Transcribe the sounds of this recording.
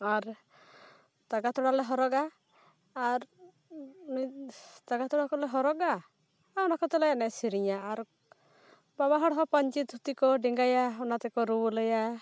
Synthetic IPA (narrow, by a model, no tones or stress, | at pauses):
aɾ | t̪aɡat̪ɔɽalɛɦɔɾɔɡaː | ɾ | nit̪aɡat̪ɔɽakɔlɛɦɔɾɔɡaː | wnakɔt̪ɛlajanɛsiɾiɲaːɾ | babaɦɔɽɦɔpaɲt͡ʃit̪ut̪ikɔɖiŋɡajaɔnat̪ɛkɔɾuwlɛja